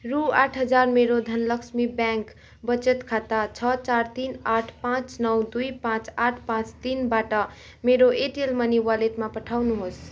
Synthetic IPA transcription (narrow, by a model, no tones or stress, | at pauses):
ɾuaʈʰɦʌd͡zaɾmeɾod̪ʱʌnlʌksmibãŋk | bʌt͡ʃət̪kʰat̪at͡ʃʰʌt͡ʃaɾt̪inaʈʰpãt͡snʌwd̪ujpãt͡saʈʰpãt͡st̪inbaʈʌ | meɾoʔeʈelməniwaleʈmapəʈʰawnuɦos